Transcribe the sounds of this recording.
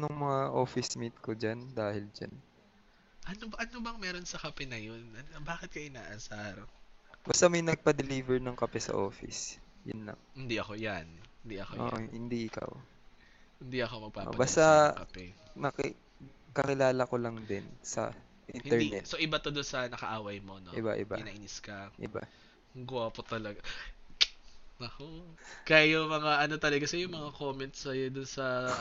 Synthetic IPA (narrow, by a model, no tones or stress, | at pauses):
nʊŋmɐŋaʔo̞ːfɪsmit̪̚kod͡ʒand̪aːhɪld͡ʒa̰n | ʔɐnobɐʔɐnobɐŋmɛːɾonsɐkɐpɛnɐjonɐbaːkɪt̪̚kɐʔɪnaːʔɐsaːɾobɐst̪amɐjnɐɡ̚pɐd̪ɛliːvɛɹnɐŋkɐpɛsɐ̰ʔo̞̰ːfɪ̰sjʊ̰nlɐ̰ŋhɪnd̪iʔɐkojanhɪnd̪iʔɐkoʔo̰ːʔhɪnd̪iʔɪka̰w | hɪnd̪iʔɐkomɐɡ̚paːʔɐbast̪ɐkɐpɛnɐkɪ | kɐkɪlaːlɐkolɐŋd̪ɛnsɐ̰ | ʔinhɪɛɹnɛt̪soʔɪbat̪od̪onsɐnɐkɐʔaːwɐjmo̞noʔɪ̰ba̰ʔɪbaɪnaʔinɪskɐʔɪ̰ba̰ | ɡʊwapot̪ɐlɐɡa | ɐkokajomɐŋaʔɐno̞t̪ɐlɐɡakɐsɛjʊŋmɐŋakoːmɛnt̪sɐjod̪ʊnsɐ